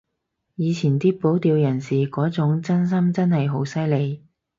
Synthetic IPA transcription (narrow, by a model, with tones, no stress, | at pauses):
jiː˨˧t͡sʰiː˨˩nt̪iː˥po˨˥wt̪iː˨˧wjɐ˨˩nsiː˨˩kɔː˨˥t͡sʊ˨˥ŋt͡sɐ˥ns̬ɐ˥mt͡sɐ˥nhɐ˨jɦo˨˥wsɐ˥jle˨˧j